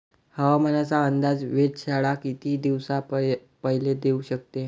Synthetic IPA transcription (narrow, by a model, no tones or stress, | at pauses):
həʋamənat͡saənd̪ad͡zʋeʈɕaɭakit̪iːd̪iʋsa | pəɦiled̪euɕək̚t̪e